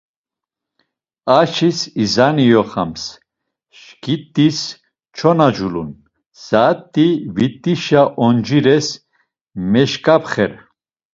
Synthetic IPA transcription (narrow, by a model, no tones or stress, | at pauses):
aʃisizanijɔχa̰ms | ʃkʰʼit̪ʼːis | t͡ʃʰɔnad͡ʒulṵn | z̥at̪ʼːivit̪ʼːiʃaʔɔnd͡ʒiɾɛs | mɛʃkʼapʰχɛɾ